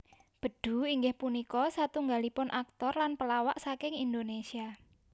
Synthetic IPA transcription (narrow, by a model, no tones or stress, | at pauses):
b̥ə̤ɖ̪̥ṳiŋɡɪhpunikɔsat̪uŋɡalipʊnʔak̚t̪ɔrlanpəlawaʔsakɪŋind̪onesia